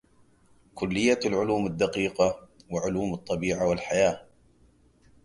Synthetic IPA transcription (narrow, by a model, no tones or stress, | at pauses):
kʊlːɪjːalʕʊluːmad̪ːɑqiːqɑwaʕʊluːmɨt̪ˤːɑbiːʕawɪlħajaː